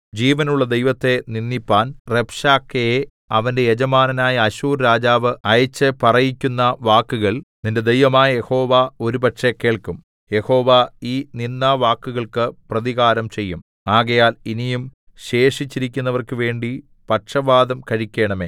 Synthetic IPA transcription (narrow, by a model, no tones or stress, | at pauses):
d͡ʑiːʋɐnuɭːɐd̪e̞jʋɐt̪ːe̞ninːipːaːnrepʂaːkːeje | ɐʋɐnde̞jed͡ʑɐmaːnɐnaːjɐɐɕuːrɾaːd͡ʑaːʋɨɐjɐt͡ɕːɐpɐrɐjikʲːunːɐʋaːkːuɣɐɭninde̞d̪ejʋɐmaːjɐje̞ho̞ːʋao̞ɾupɐʈʂeke̞ːɭkum | je̞ho̞ːʋaiːninːaːʋaːkːuɣɐɭkɨprɐðiɣaːɾɐmt͡ɕe̞jːum | aːɣɐjaːlinijum | ɕe̞ːʂit͡ɕːiɾikʲːunːɐʋɐrkɨʋe̞ːɳɖi | pɐʈʂɐʋaːd̪ɐmkɐɻikʲːe̞ːɳɐme̞ː